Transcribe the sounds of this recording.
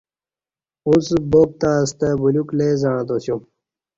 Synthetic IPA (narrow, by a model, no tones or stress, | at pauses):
usboːk̚t̪aːst̪əbuluklezaɳ̃d̪osju